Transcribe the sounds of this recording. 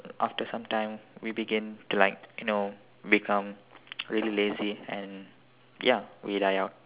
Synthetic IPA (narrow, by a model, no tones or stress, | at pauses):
ʔa̰ftəsãmtãɪ̃mwibiɡɪ̃ntulaɪk̚juno | bikʰãmɹilileziɛ̃n | jawidaɪaʊt̚